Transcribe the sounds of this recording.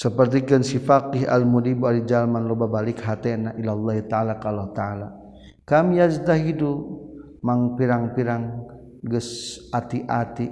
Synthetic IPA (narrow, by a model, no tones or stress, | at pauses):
səpərt̪̬ikənsifakiɦa̰lmudibualid͡ʒalmanlɔbabalikɦat̪ɛnaʔilalːaɦit̪aalakalɔt̪aala | kamijazd̪aɦidu | maŋpiɾaŋpiɾaŋ | ɡəsat̪iʔat̪i